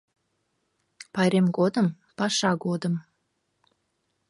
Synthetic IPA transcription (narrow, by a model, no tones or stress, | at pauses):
pɑjɾemɡod̪əm | pɑʃɑɡod̪əm